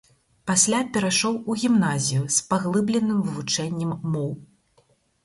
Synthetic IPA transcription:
pasʲlʲapʲɛɾaʂɔwuɣʲimnazʲijuspaɣlˠɨblʲɛnːɨmvɨvut͡ʂɛnʲːɛmːɔw

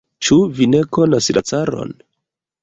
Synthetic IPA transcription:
t͡ʃuvine̞ko̞naslʔat͡saɾo̞̰n

